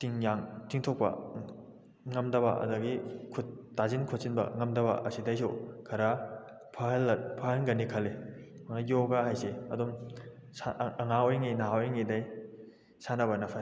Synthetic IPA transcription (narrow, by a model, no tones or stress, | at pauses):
tiŋjaŋtʰiŋtʰok̚pɐ̰ | ŋɐmdɐβɐ̰ʔɐ̰dɐɡikʰutːazinkʰot̚sinbɐ̰ŋɐmdɐbɐ̰ʔɐsidɐjsokʰɐɾa | pʰɐhlpʰɐɦɐnɡɐnːikʰɐlːemaknɐjoɡaɦajseɐ̰dum | saɐŋaojŋinaɦwojŋidɐj | sanɐbɐnɐpʰa